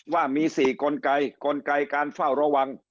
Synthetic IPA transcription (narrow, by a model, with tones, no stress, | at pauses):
waː˥˩miː˧siː˨˩ko˧nka˧jko˧nka˧jkaː˧nfa˥˩wɾa˧wa˧ŋ